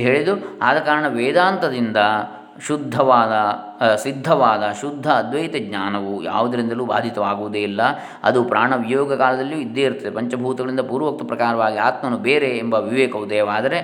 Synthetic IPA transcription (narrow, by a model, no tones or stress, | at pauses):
ɦeːɭid̪uaːd̪ɐkaːɾɐɳɐʋɛːd̪aːnt̪ɐd̪ind̪ɐ | ʃud̪ʱːɐʋaːd̪ɐ | sid̪ʱːɐʋaːd̪ɐʃud̪ʱːɐːd̪ʋɐjt̪eɡɲaːnɐʋuja̰ːʋud̪ɐɾind̪ɐluːba̰ːd̪ʱit̪ɐʋaːɡuʋud̪eilːɐ | ɐ̰d̪upɾaːɳɐʋijoːɡɐkaːlɐd̪ɐlːijuid̪ːeːɾut̪ːɐd̪epɐɲt͡ʃɐbʱuːt̪ɐɡɐɭind̪ɐpuːɾʋɐk̚t̪upɾɐkaːɾɐʋaːɡiaːt̪mɐnubeːɾeːmbɐʋiʋeːkɐʋud̪eːʋaːd̪ɐɾe̞